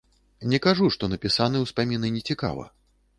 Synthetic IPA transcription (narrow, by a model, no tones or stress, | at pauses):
nʲɛkaʐuʂt̪ɔnɐpʲisanɨwspamʲinɨnʲɛt͡sʲika̰vɐ̰